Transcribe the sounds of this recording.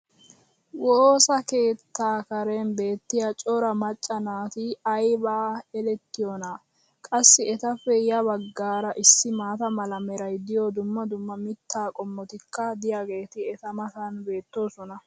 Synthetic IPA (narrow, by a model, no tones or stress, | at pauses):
woːsɐke̞ːt̪ːaːkɐɾenbe̞ːt̪ːɪjɐt͡ʃʼɔɾɐmɐt͡ʃʼːɐnaːt̪ɪɐjbaːɛlɛt̪ːɪjona | kʼɐsːɪɛt̪ɐfːɛjɐβɐɡːaːɾɐʔɪsːɪmaːt̪ɐmɐlɐmɛɾɐjd̪ɪjod̪ʊmːɐd̪ʊmːɐmɪt̪ːaːkʼɔmːɔt̪ɪkːɐd̪ɪjaːɡe̞ːt̪ɪɛt̪ɐmɐt̪ɐnbe̞ːt̪ːo̞ːsɔnɐ